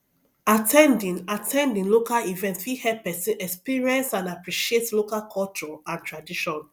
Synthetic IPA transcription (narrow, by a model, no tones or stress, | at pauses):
atʰɛ̃ndĩnatʰɛ̃ndĩnlokalivɛ̃ntfihɛpɛsĩɛkspiɹiɛ̃nsãnapɹiʃietlokalkʰɔlt͡ʃɔãntɹadiʃɔ̃n